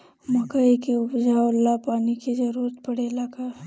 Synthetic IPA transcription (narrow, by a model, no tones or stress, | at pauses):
məkəikeʊpd͡ʒawlapaːnikezɐɾuːɾət̪̚pəɽeːlaka